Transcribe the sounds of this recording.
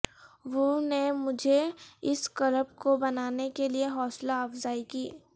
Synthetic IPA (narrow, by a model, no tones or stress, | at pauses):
ʋonemʊd͡ʒʱeɪskɐləbkobɐnaːnekelieɦɔːslaːfzaːikiː